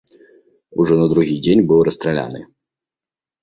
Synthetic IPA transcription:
uʐɔnɐd̪ɾuɣʲid͡zʲenʲbɨwɾɐst̪ɾɛlʲa̰nɨ̰

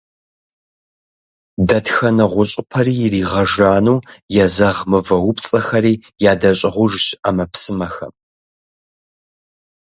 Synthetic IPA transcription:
dɐtxɐnɨʁʷʊɕʼɪpʰɐriːjriːʁɐʒaːnuːjɛzɐʁmɨvɐwʊpt͡sʼɐxɐɾiːjaːdɐɕʼɪʁʷʊʐɕamɐpsɨmɐxɐ̰m

